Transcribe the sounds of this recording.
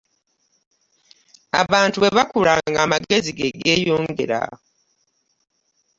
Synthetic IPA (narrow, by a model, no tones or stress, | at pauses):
a̰βaːntuβe̞βakuɾaŋɡaːmaɡe̞ziɡeɡe̞ːjoːŋɡḛɾa̰